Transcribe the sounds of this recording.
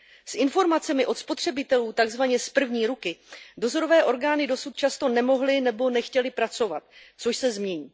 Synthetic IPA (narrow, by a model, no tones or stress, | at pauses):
sʔɪnfo̞ɾmat͡sɛmɪʔo̞t̪spo̞t̪r̝̥ɛbɪt̪ɛluːt̪aɡzvaɲɛspr̩vɲiːɾukɪdo̞zo̞ɾo̞vɛːʔo̞ɾɡaːnɪdo̞sut̪̚t͡ʃast̪o̞nɛmo̞ɦlɪnɛbo̞nɛxcɛlɪpɾat͡so̞vat̪̚t͡soʃsɛzmɲɛɲiː